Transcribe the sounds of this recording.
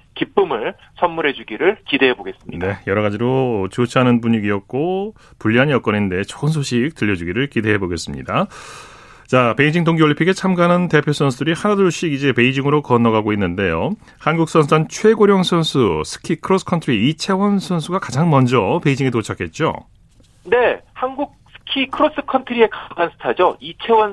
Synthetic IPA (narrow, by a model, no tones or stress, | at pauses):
kip͈ɯmɯɭ | sʰʌnmuɾe̞d͡ʑuɡiɾɯɭkideɦeboɡe̞s͈ɯmɲindejʌɾʌɣad͡ʑiɾot͡ɕot͡ɕʰɦanɯnbuɲiɡiʌk̚k͈o | puʎːiɦanjʌk͈ʌninde̞t͡ɕo̥ɯnsʰoɕʰik̚tɯʎːʌd͡ʑuɡiɾɯɭkide̞ɦeboɡe̞s͈ɯmɲḭda | t͡ɕape̞id͡ʑiŋdoŋɡioɭːimpʰiɡet͡ɕʰamɡanɯnte̞pʰjosʰʌnsʰudɯɾihanaduɭɕ͈iɡid͡ʑe̞pe̞id͡ʑiŋɯɾokʌnʌɡaɡoinːɯnde̞jo | hanɡuk̚s͈ʰʌnsʰudant͡ɕʰwe̞ɡoɾjʌŋsʰʌnsʰusʰɯ̥kʰikʰɯɾos͈ɯ̥kʰʌntʰɯɾiit͡ɕʰe̞wʌnsʰʌnsʰuɡakad͡ʑaŋmʌnd͡ʑʌpe̞id͡ʑiŋit̬ot͡ɕʰakʰe̞t̚t͡ɕ͈o̰ | ne̞hanɡuk̚sʰɯ̥kʰikʰɯɾos͈ɯ̥kʰʌntʰɯɾie̞kaansʰɯ̥tʰad͡ʑoit͡ɕʰewʌn